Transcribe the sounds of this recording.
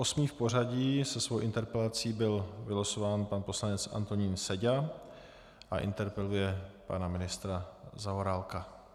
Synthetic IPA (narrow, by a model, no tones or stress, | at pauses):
ʔo̞smiːfpo̞raɟiːsɛsvowʔɪnt̪ɛɾpɛlat͡siːbɪlvɪlasovaːnpanpo̞slanɛt͡sʔa̰nt̪o̞ɲiːnsɛɟa | ʔaʔɪ̰nt̪ɛɾpɛlujɛpa̰namɪnɪst̪ɾazaoɾalka